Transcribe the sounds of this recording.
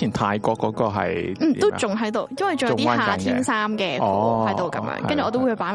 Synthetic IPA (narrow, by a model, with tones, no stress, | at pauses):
iː˨˩nt̪ʰaː˧jkɔː˧kːɔː˨˧˥kɔː˨˧ɦɐ̰˨jm̩˥˨˩o˥wt͡sʊ˨ŋɦɐ˨˥jt̪o˨wjɐ˥nwɐ˨jt͡ɕʊ˨jt̪iː˥˧haː˨˩t̪ʰiː˥nsaː˥mkɛː˧ɔ˥˨hɐ˨˦jt̪o˨wkɐ˨˧˦mjœ̰ː˧˥ŋɐ˥nt͡ʃy˨ɔː˨˧t̪o˥whpaː˨˥